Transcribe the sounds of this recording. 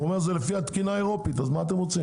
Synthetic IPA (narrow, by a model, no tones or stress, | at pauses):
uomeʁzelefiat̪kinaeʁo̞pit̪azmaːt̪emʁot͡sim